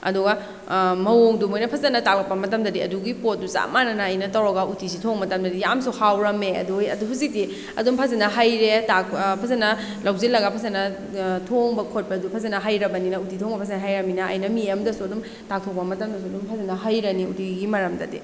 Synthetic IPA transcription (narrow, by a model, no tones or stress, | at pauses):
ɐ̰duɡa | mɐwoŋdumojnɐpʰɐzɐnɐtak̚lɐk̚pːɐmɐtɐmdɐdiɐ̰duɡipot̚dusa̰manɐnaːjnɐtɐwɾoɡautʰisitʰoŋmɐtɐmdɐdijamsuhawɾɐmeɐ̰dujɐ̰duɦuzik̚ti | ɐ̰dumpʰɐzɐnɐɦajɾetak̚pʰɐzɐnɐ | lawzelɐɡɐpʰɐzɐnɐ | tʰoŋbɐkʰot̚pɐdupʰɐzɐnɐɦajɾɐbɐninɐutitʰoŋbɐpʰazɐnɐɦajɾɐminɐ̰ːjnɐmieɐmdɐsuɐdum | tak̚tʰok̚pɐmɐtɐmdɐs̬uɐdumpʰazɐnɐɦajɾɐniṵtiɡimɐɾɐmdɐ̰dḭ